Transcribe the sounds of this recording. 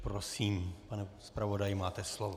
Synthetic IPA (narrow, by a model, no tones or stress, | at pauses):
pɾosiːmpanɛspɾavodajɪmaːt̪ɛslovo